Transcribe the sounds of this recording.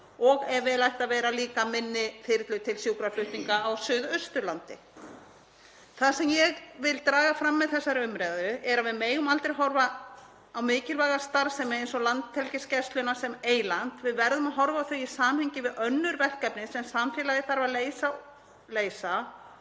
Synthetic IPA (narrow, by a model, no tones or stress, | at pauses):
ɔɣɛɾvɪðlajht̪aðvɛːɾaliːkamɪnːɪfɪɾɪt̪lʏt̪ʰɪlsjuːkɾaflʏht̪iŋkaːwsʏðʏst̪ʏɾlant̪ɪ | θasɛmjɛɣvɪlt̪ɾaːɣafɾamːɛðθɛsːaɾʏmɾɛðaðʏʔɛɾavɪðmeːjɣʏmalt̪ɾɪɦɔɾva | awmɪːcɪlvaɣast̪aɾsɛmɛejnsɔlant̪t̪ʰɛlcɪscɛst̪lʏnasɛmeːjlan̥t̪vɪðvɛɾðʏmaðɦɔɾvaːwθœɥisaːmhejɲcɪvɪðœnːʏɾvɛr̥kɛpnɪsɛnsamfjɛːlaɣðɪθaɾvaðleːjsa | leːjsa